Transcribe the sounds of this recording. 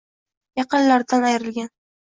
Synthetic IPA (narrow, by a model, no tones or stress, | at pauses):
jɑqɨnlaɾd̪anajɾɪlɡʲan